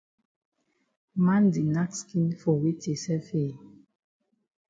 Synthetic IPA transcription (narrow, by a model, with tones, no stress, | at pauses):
ma˦n˦di˨na˦kski˦nfo˨wi˦te˨sɛ˦feː˦˨